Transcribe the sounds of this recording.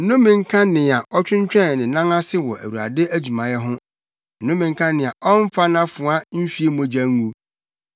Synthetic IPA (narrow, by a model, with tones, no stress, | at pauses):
n̩˦nʊ̃˦mɪ̃˨ŋ̩˦kʰã˦nɪ̃˨a˨ʔɔ˦t͡ɕᶣɪ̃˦ɲ̩˦t͡ɕᶣɛ̃˦˨n˨nɪ̃˨˦nã˦ŋa˦sɪ˦wɔ˨ʔæ̰˨wu˨ɾa̰˨dɪ˦ʔæ˦d͡ʑu˨mã˨jɛ˦ɦʊ̃˦ | n̩˨nʊ̃˦mɪ̃˨ŋ̩˦kʰã˦nɪ̃˨a˨ʔɔ˦m˦fa˦nã˦fʊ̃˨a˦n̩˦ɕᶣi˦e˦mõ˦d͡ʑa˦ŋː˦ũ˦